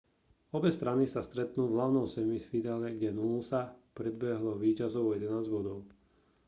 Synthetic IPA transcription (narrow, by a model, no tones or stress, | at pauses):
ɔbɛst̪ɾanisast̪ɾɛt̪nuːvlaʊnɔmsɛmiffid̪aːlɛɡɟɛnulusapɾɛd̪̚bɛɦlɔʋiːcazɔʊjɛd̪ɛnaːzɟbɔd̪ɔʊ